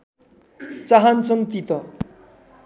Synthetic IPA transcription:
t͡saɦant͡sʰʌnt̪it̪ʌ

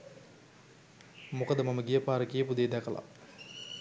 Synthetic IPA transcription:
mukəd̪əmaməɡijəpaːɾəkijəpud̪eːd̪ækəla̰

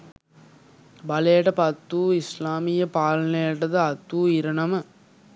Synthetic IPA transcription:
bɐleːʈɐpɐt̪ːuːɪslaːmɪjɐpaːlneːʈːɐðɯɐt̪ːuːɪɾɐnɐmɐ

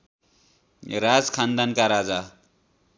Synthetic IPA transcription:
ɾad͡zkʰand̪ankaɾad͡za

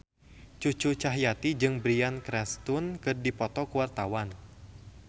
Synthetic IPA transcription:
t͡ʃut͡ʃut͡ʃaɦjat̪id͡ʒɨŋbɾiankɾɛst̪unkɨrdipɔt̪ɔkuwart̪awan

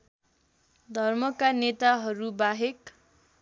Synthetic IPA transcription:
d̪ʱʌrmʌkanet̪aɦʌɾubaɦek

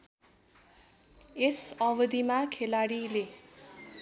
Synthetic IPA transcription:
esʌbʌd̪imakʰelaɽile

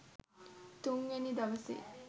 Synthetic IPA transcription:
t̪uŋʋenid̪ɐʋɐsḭ

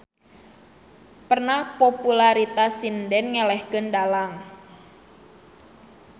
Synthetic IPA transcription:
pərnahpopulaɾit̪asindɛnŋɛlɛhkəndalaŋ

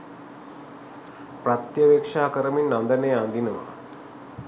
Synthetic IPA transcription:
pɾɐt̪jɐʋekʂaːkəɾɐminːɐnd̪ɐneːand̪inɐʋa̰

